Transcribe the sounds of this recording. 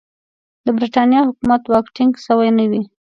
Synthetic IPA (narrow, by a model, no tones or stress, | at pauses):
d̪əbɾiʈɑnjɑhʊkumat̪wɑkʈɪŋɡsəwajnəwi